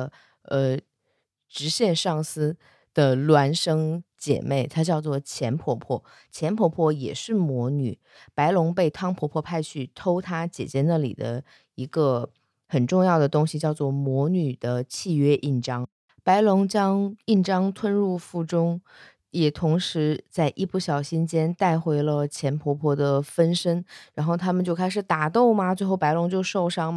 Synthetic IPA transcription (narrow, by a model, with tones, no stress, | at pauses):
ə˧ | ʈ͡ʂɻ̩˧˥ɕjɛ˥˧nʂɑ˥˩ŋsɹ̩˥ | d̪̥ə˧lwa˧˥nʂɤ˥ŋt͡ɕjɛ̰˨˩me˥˩ɪt̪ʰa˥t͡ɕjɑ˥˧ʊt͡swɔ˥˩t͡ɕʰjɛ˧˥npʰwɔ˧˥pʰwɔ˥˩ | t͡ɕʰjɛ˧˥npʰwɔ˧˥pʰwɔ˥˩jɛ̰˨˩ʂɻ̩˥˩mwɔ˧˥ny̰˨˩˦ | pa˧˥ɪlʊ˧˥ŋpe˥˩ɪt̪ʰɑ˥ŋpʰwɔ˧˥pʰwɔ˥˧pʰa˥˧ɪt͡ɕʰy˥˩t̪ʰo˥ʊt̪ʰa˥t͡ɕjɛ̰˨˩t͡ɕjɛ˧˥na˥˩lḭ˨˩d̪ə˦ | i˧˥ɡə˧ | xə˨˩nʈ͡ʂʊ˥˧ŋjɑ˥˩ʊd̪ə˩t̪ʊ˥ŋɕi˨t͡ɕjɑ˥˧ʊt͡swɔ˥˩mwɔ˧˥ny˨˩d̪̥ə˦t͡ɕʰi˥˧ɥɛ˥ʔi˥˩ʈ͡ʂɑ˥ŋ | pa˧˥ɪlʊ˧˥ŋt͡ɕjɑ˥ŋi˥˩nʈ͡ʂɑ˥ŋt̪ʰwə˥nɻu˥˧fu˥˩ʈ͡ʂʊ˥ŋ | jɛ˨˩t̪ʰʊ˧˥ŋʂɻ̩˧˥t͡sa˥˧ɪʔi˥˩pu˥˩ɕjɑ˨˩ʊɕi˥nt͡ɕjɛ˥nt̪a˥˩ɪxwe˧˥ɪlə˧t͡ɕʰjɛ˧˥npʰwɔ˧˥pʰwɔ˧˥d̪ə˨fə˥nʂə˥ŋɻa˧˥nxo˥˩ʊt̪ʰa˥mə˨nt͡ɕjo˥˧ʊkʰa˥ɪʂ̬ɻ̩˨˩t̪a˨˩t̪o˥˩ʊmɐ˨˩t͡swe˥˧ɪxo˥˩pa˧˥ɪlʊ˧˥ŋt͡ɕjo˥˧ʊʂo˥˩ʊʂɑ˥ŋm˩